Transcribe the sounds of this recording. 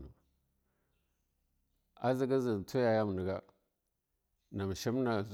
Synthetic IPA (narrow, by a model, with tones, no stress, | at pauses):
nu˨ | a̰˦zi˦ɡa˦zi˨n˨tʰu˦ja˨ja˦m˨ni˨ɡa˦ | na˨m˨ʃi˦m˦na˨z